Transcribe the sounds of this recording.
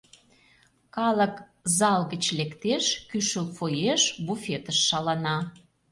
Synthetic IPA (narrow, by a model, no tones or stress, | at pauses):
kɑlə̆k | zɑlɣə̆t͡ɕlekt̪eʃkyʃəlfojeʃbufʲet̪əʃːɑlɑnɑ